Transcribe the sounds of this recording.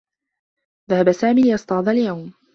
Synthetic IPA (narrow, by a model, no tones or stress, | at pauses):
ðahabasaːmiːlɪjɑsˤt̪ˤɑʕðˤɑljawm